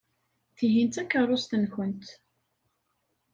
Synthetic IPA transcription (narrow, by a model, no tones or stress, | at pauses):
θiɦint̪ækːərˤost̪ənçənt̪